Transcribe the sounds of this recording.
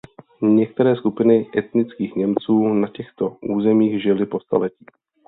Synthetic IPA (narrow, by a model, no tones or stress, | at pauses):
ɲɛk̚t̪ɛɾɛːskupɪnɪʔɛt̪nɪt͡skiːxɲɛmt͡suːnacɛxt̪o̞ʔuːzɛmiːɣʒɪlɪpo̞st̪a̰lɛcɪ